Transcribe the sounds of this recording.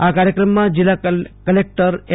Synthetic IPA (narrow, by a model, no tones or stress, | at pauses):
akaɾjəkɾəmːãd͡ʒɪlːakəlek̚ʈəɾe